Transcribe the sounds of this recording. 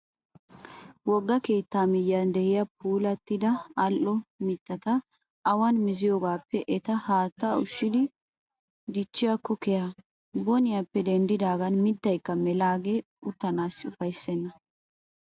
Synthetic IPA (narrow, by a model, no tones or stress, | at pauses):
wɔɡːɐke̞ːt̪ːaːmɪjːɐnd̪ɛhɪjɐp̚uːlɐt̪ːɪd̪ɐɐlʔɔmɪt̪ːɐt̪ɐ | ʔːwɐnmɪzɪjoːɡaːpːɛʔɛt̪ɐhaːt̪ːaʊʃːɪd̪ɪ | d̪ɪt͡ʃːɪjɐkːɔkɛja | bɔnɪjapːɛd̪ɛnd̪ɪd̪aːɡɐnmɪt̪ːɐjkːɐmɛlaːɡe | ʊt̪ːɐnaːsːɪʊfɐjsːɛnːɐ